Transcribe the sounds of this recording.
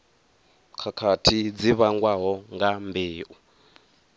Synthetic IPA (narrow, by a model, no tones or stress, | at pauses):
kʰakʰatʰid͡ziβaŋɡwaɦɔŋɡambeːʔu